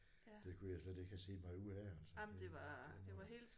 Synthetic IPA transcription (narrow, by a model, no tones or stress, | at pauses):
d̥e̝kʰujɑɪsled̥e̝ɡ̥hæse̝̰ːmɑ̈ɪuðˠæælsɒmd̥e̝ʋɑd̥e̝ʋɑ̈ɦe̝̰ːl̥s